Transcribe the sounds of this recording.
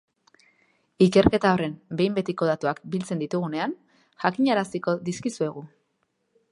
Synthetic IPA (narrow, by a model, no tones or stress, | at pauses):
ike̞ɾke̞t̪ao̞re̞mbe̞jmbe̞t̪iko̞ð̞at̪uakbilt͡send̪it̪uɣ̞une̞an | ʝakiɲaɾasiko̞ðiskisue̞ɣ̞u